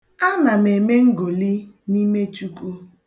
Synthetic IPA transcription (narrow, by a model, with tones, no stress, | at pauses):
a˦na˨m˨e˨me˦ŋ̩˦ɡo˨li˦ | ni˦me˦t͡ʃu˦ku˦